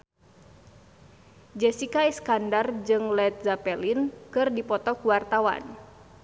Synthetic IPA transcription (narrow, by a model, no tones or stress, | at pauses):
d͡ʒɛsikaiskandard͡ʒɨŋlɛt̪̚zapɛlinkɨrdipɔt̪ɔkuwart̪awa̰n